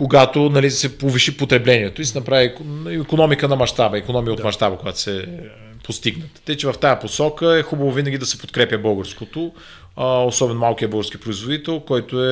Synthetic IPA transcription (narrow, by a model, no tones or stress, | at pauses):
koɡat̪onɐlid̪ɐsɛpovɛʃipot̪ɾɛblɛniɛt̪oisɛnɐpɾaviikonɔmikənɐmɐʃt̪abəikonɔmijəot̪mɐʃt̪abəkojat̪o̥sɛ | post̪iɡnət̪t̪ːəit͡ʃɛvɐft̪ajəposɔkəɛxubɐvovinɐɡʲid̪ɐsɛpot̪kɾɛpʲjəbɤlˠɡəɾskot̪o | osɔbɛnmalˠkijəbəlˠɡəɾskipɾoizvod̪it̪ɛlˠkɔjt̪oɛ